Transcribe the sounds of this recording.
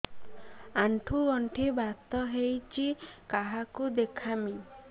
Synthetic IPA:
aɳʈʰuɡɔɳʈʰibat̪ɔɦejt͡ʃʰikaɦakud̪ekʰami

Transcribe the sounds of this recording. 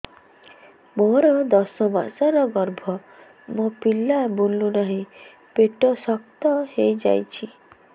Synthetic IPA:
moɾɔd̪ɔsɔba̰saɾɔɡɔɾbʱɔ | mopilːabunːunaɦĩ | peʈɔsɔkt̪ɔhejd͡ʒa̰jt͡ʃʰi

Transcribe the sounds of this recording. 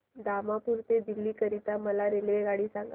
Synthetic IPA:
d̪amapuɾt̪ed̪ilːiːkəɾit̪aməlaɾeleɡaɽiːsaŋɡ

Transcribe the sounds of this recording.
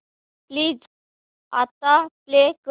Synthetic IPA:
pliːd͡z | at̪aplek

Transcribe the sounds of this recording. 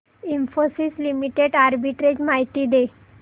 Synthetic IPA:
imfosislimiʈeɖaɾbiʈɾed͡ʑmaiʈiːd̪e

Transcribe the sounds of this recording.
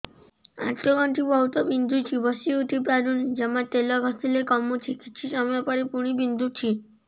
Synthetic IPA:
a̰ʈʰɔɡɔɳʈʰibɔɦut̪ɔbind̪ʱut͡ʃʰibɔsiuʈ̪ipɾaɾund͡ʒemat̪elɔɡʱɔst̪ilekɔmːut͡ʃʰikit͡ʃʰisɔmɔjɔpɔɾepuɽ̃ibind̪ʱut͡ʃʰi

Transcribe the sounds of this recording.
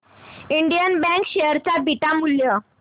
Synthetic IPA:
iɳɖijənbɛ̃ŋkɕeəɾt͡sabʱiʈamuljə

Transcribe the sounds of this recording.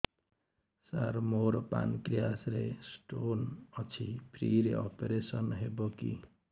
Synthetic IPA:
saɾmoɾpa̰nkɾijasɾesʈonʌt͡ʃʰipʰɾiɾeɔpeɾesʌnɦebɔkḭ

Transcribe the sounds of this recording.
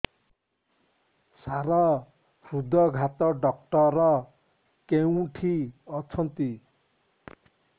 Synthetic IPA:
saɾʌ | ɾud̪ːʌɡʱat̪ɔɖʌk̚ʈʌɾʌ | kew̃ʈʰiʌt͡sʰʌnt̪i

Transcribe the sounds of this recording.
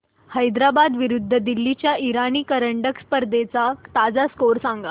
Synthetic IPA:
həjd̪ɾabad̪ʋiɾud̪ʱːəd̪ilːit͡ɕjaʔiɾaniːkəɾəɳɖəkspəɾd̪et͡sat̪ad͡zaskoɾsãŋɡa

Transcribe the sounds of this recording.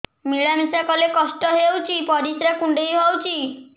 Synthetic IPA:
miɭamisakɔlekɔsʈɔɦewt͡ʃʰipɔɾisɾakuɳɖejɦɔwt͡ʃʰi

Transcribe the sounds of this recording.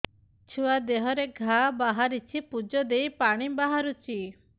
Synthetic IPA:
t͡ʃʰuad̪eɦɔɾeɡʱabaɦaɾit͡ʃʰipud͡ʒɔd̪ejpaɽ̃ibaɦaɾut͡ʃʰi

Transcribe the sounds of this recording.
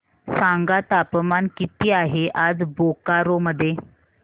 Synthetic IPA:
sãŋɡat̪apmankit̪iːaɦeʔad͡zbokaɾoməd̪ʱːje

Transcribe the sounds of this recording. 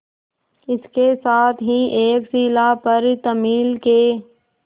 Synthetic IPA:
ɪskesaːt̪ʰɦiʔeːksiːlapɐɾt̪ɐmiːlkeː

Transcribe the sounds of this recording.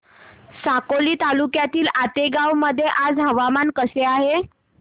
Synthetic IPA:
sakoliːt̪alukjat̪iːlat̪eɡawməd̪ʱːjeʔad͡zɦəʋamankəseaɦe

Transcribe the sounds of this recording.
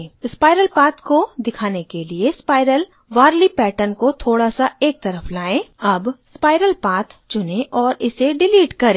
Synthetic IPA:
spaːɪɾəlpaːt̪kod̪ɪkʰaːnekeliespaːɪɾəl | ʋaːɾlipɛːʈənkot̪ʰoːɽasaeːk̚t̪ɐɾəflaːẽɐbspaːɪɾəlpaːt̪ʰt͡ʃʊnẽʔɔːɾɪseɖɪliːʈkɐɾẽː

